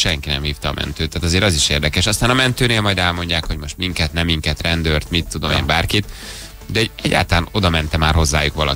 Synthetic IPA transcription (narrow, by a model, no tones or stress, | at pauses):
ʃɛŋkinɛmhiːft̪ɒːmʔɛ̰nt̪øːt̪ːaːt̪ɒzeːɾɒziʃeːrd̪ɛkɛʃɒst̪aːnɒmɛnt̪øːneːlmɒjd̪ɛlmo̞ɲɟaːkho̞ɟmo̞ʃt̪miŋkɛt̪nɛmːiŋkɛt̪rɛnd̪ørt̪mit̪ːud̪o̞meːmbaːrkit̪ | d̪ɛoɛɟːa̰ːlt̪ɒlaːno̞d̪ɒmɛnt̪ɛmaːrɦo̞zːaːjukʋɒlɒ̰